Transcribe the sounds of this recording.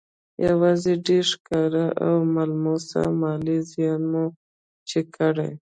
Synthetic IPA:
jawɑzeɖeɾʃkɑɾaʔawmalmosa̰mɑlizjɑnmo | t͡ʃekʰaɽa̰j

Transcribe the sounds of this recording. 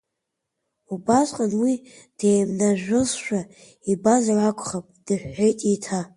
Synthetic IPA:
ubasʷʼqʼanwi | d̥ejmnaʒᶣʊzʃᶣa | ibazaʕakʷʰʼχapʼd̥ɨħʷᶣħejtʼitʰa

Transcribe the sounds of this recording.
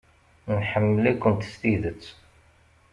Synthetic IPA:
nħəmːəlikːənt̪st̪iðət͡sː

